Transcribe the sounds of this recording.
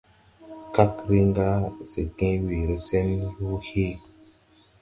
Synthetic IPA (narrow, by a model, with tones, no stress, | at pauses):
ka˦kɾi˦ŋɡa˦se˨kẽ˦we˨ɾe˦se˦nju˦he˦